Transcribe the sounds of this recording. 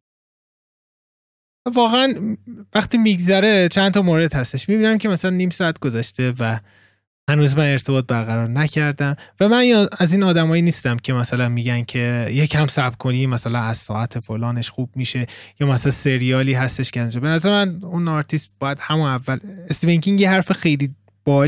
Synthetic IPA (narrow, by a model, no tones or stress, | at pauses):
vɒːɣeænvæxt̪iːmiɡzæɾe̞t͡ʃʰænt̪ʰɒmoːɾe̞d̪hæst̪e̞ʃmibiːnæmcʰemæsælænːiːmsɒæt̪ʰɡ̥o̞zæʃt̪e̞væ | hænuːzmæne̞ɾt̪ʰe̞bɒːt̪̚bæɾɣæɾɒːɾnæcʰæɾd̪æmvæmæniæziːnɒːd̪æmɒːjiniːst̪æmcʰe̞mæsælænmiːɟæncʰe̞jecʰæmsæbkʰoniːmæsælænæz̥sɒ̰ːæt̪ʰe̞folɒːne̞ʃxuːb̥̚miːʃe̞jɒːmæsælænse̞ɾijɒːliːɦæst̪e̞ʃcʰeæznd͡ʒɒbe̞næzæɾemænunɒɾt̪ʰist̪̚bɒːjæd̪̥hæmunævːælest̪iveŋkʰiŋjeɦæɾfexe̞jliː | b̥ɒː